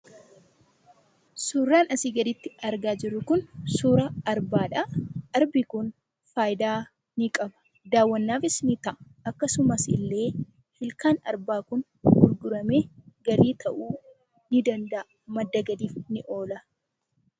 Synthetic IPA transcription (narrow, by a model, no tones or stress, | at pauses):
suːrːaːnɐsiːɡɐd̪ɪt̪ːɪɐɾɡaːd͡ʒɪrːʊkʊnsuːɾɐɐɾbaːᶑɐɐɾbɪkʊn | faːjd̪aː | nɪkʼɐbɐ̥ | d̪aːwːɐnːaːfɪsnɪt̪ɐʔ | ɐkːɐsʊmɐsɪ̰lːe̞ː | hɪlkaːnɐ̰ɾbaːkʊn | ɡʊɾɡʊɾɐme̞ːɡɐɾiːt̪ʰɐʔuː | nɪd̪ɐnd̪ɐʔ | mɐd̪ːɐɡɐd̪iːfnɪʔo̞ːlɐ